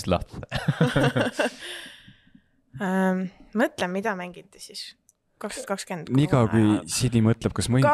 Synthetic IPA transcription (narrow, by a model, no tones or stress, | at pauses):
lɑ̰ht̪fe | mɤt̪lemmːid̪̥ɑmæŋɡ̥it̪ːˑe̥sis | kɑksɑt̪kɑkskend̪̥nikɑkujsid̪imɤt̪ˑlɛb̥̚kɑsmu